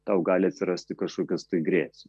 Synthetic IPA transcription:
t̪ɑʊɡɑːlʲɪɐt̪ʲsʲɪɾɐsʲt̪ʲɪkɐʃkoːkʲɛst̪ɐɪɡɾʲeːsʲ

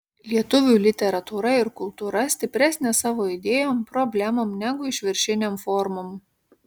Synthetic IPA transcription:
lʲiɛt̪ʊʋʲuːˑlʲɪt̪ʲɛɾɐt̪uːɾɐɪɾkʊlˠt̪uːɾɐsʲt̪ʲɪpʲɾʲæːsʲnʲeːsɑːʋoːɪd̪ʲeːjoːmpɾɔbʲlʲæmomnʲæɡʊɪʃʲʋʲɪɾʲʃʲɪnʲemfɔɾmoːm

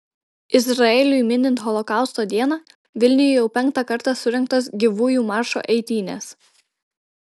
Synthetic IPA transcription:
ɪsɾɐɛlʲʊjmʲɪnʲɪnt̪xɔlˠɔkɑˑʊst̪oːd̪ʲiɛnɑ | ʋʲɪlʲnʲɪjʊjɛʊpʲɛŋk̚t̪ɑkɐɾt̪ɑsʊɾʲɛŋˑk̚t̪ɐsɡʲɪʋuːjuːmɑːɾʃo̰ːʔɛɪt̪ʲiːnʲḛs

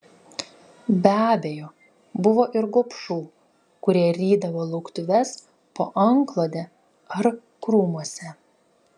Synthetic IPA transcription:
bʲæːbʲejoː | bʊʋoːʔɪɾɡoɔpʃuː | kʊɾʲiɛɾʲiːd̪ɐʋoːlˠɐʊkt̪ʊʋʲɛs | poːʔɐŋklˠoːd̪ʲɛ | ɐɾ | kɾuːmuɔsʲɛ

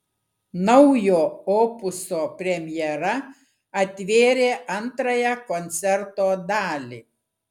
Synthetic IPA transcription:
nɒʊjoːoːpʊsoːpʲɾʲɛmʲjɛɾɐ | ɐt̪ʲʋʲeːɾʲeːʔɐnt̪ɾɐjɛkɔnʲt̪sʲɛɾt̪oːd̪ɑːlʲḭː

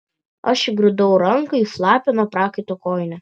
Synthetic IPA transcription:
ɐʃɪɡɾʲʊd̪ɐʊɾɐŋkɐiflˠɑːpʲɛnuɔpɾɑːkɐɪt̪oːkoːjɪnʲɛ

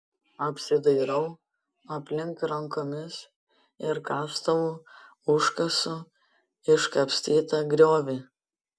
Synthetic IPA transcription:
ɐpʲsʲɪd̪ɐɪɾɐʊ | ɐpʲlʲɪŋkɾɐŋkoːmʲɪs | ɪɾkɑːst̪ɐʋu | ʊʃkɐsʊ | ɪʃkɐpʲsʲt̪ʲiːt̪ɐɡɾʲoːʋʲɪ

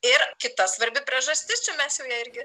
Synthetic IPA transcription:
ɪɾkʲɪt̪ɐsʋɐɾʲbʲɪpʲɾʲiɛʒɐsʲt̪ʲɪst͡ʃʲɛmʲɛsjɛʊjɛɪɾʲɡʲɪ

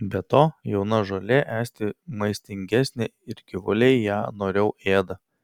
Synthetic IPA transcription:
bʲɛt̪oːjɛʊnɐʒoːlʲeːʔæːsʲt̪ʲɪmɐɪsʲt̪ʲɪŋʲɡʲæsʲnʲeɪɾɡʲɪʋʊlʲɛɪjæːnoːɾʲɛʊeːd̪ɐ

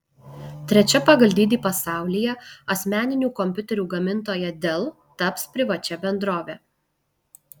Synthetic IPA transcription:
t̪ʲɾʲɛt͡ʃʲɛpɐɡɐlʲd̪ʲiːd̪ʲiːpɐsɑˑʊlʲɪjɛɐsʲmʲæːnʲɪnʲuːkɔmʲpʲʊt̪ʲɛɾʲuːɡɐmʲɪnt̪oːjɛd̪ʲelˠ | t̪ɐpspʲɾʲɪʋɐt͡ʃʲɛbʲɛnd̪ɾoːʋʲeː

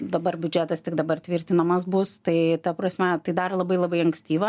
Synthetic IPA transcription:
d̪ɐbɐrbʲʉd͡ʒʲæːt̪ɐst̪ʲɪkd̪ɐbɐrt̪ʲʋʲɪɾʲt̪ʲɪnɐmɐsbʊst̪ɐɪt̪ɐpɾɐsʲmʲɛt̪ɐɪd̪ɐrlˠɐbɐɪlˠɐbɐɪɐŋksʲt̪ʲiːʋɐ

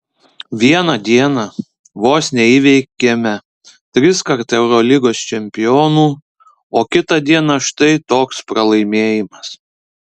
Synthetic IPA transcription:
ʋʲiɛnɐd̪ʲiɛnɐ | ʋoːsʲnʲeiːʋʲɛɪkʲemʲɛ | t̪ʲɾʲɪskɐɾt̪ɛʊɾɔlʲɪɡoːst͡ʃʲɛmʲpʲɪjoːnuː | oːkʲɪt̪ɐd̪ʲiɛnɐʃt̪ɐɪt̪oːkspɾɐlˠɐɪmʲeːjɪmɐs

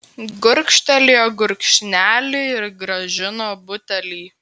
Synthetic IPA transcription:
ɡʊɾʲkʃʲt̪ʲɛlʲeːoːɡʊɾʲkʃʲnʲæːlʲɪɪɾɡɾɐʒʲɪnoːbʊt̪ʲɛlʲiː

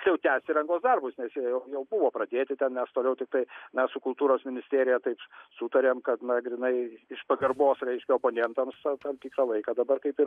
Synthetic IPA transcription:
kʲjɛʊt̪ʲæːsʲt̪ʲɪɾɐŋɡoːsd̪ɐrbʊsnʲɛsjijɛʊjɛʊbʊʋoːpɾɐd̪ʲeːt̪ʲɪt̪ʲɛnmʲɛst̪oːlʲɛʊt̪ʲɪk̚t̪ɐɪmʲɛssʊkʊlˠt̪uːɾoːsmʲɪnʲɪsʲt̪ʲeːɾʲɪjɛt̪ɐɪpsut̪ɐɾʲeːmkɐt̪nɐɡɾʲɪnɐɪɪʃpɐɡɐrboːsɾʲɛɪʃʲkʲɛoːpoːnʲɛnt̪ɐmstɐt̪ɐmt̪ʲiːkɾɑlˠɐɪkɐːd̪ɐbɐrkɐɪpɪɾ

